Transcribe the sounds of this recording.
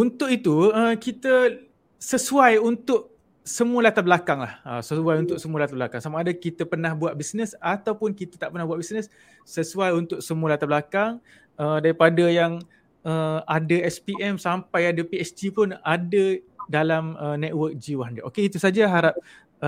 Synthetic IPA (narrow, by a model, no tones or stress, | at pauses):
unt̪ʊkit̪uəkit̪ə | səsuajunt̪ʊʔ̚ | səmuəlat̪ablakaŋlahəsəsuajunt̪ʊk̚səmũəlat̪abəlakaŋsamaadakit̪əpərnahbuat̪̚bisnəsat̪awpʊnkit̪ət̪aʔpərnahbuat̪ʔ̚bisnəsː | əsuajunt̪ʊk̚səmuəlat̪ablakaŋ | ədaɾipadajaŋ | əadaɛspiʔɛmsampajadəpiɛsd͡ʒipʊnadədalamənɛt̪̚wək̚d͡ʒiwaɦndaʔokeit̪usad͡ʒaɦaɾap̚